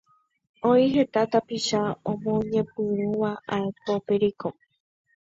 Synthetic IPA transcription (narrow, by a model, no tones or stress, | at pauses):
õiɦe̞t̪at̪apiʃaõmõɲẽ̞pɨ̃ɾ̃ũʋaʔaepo̞peɾiko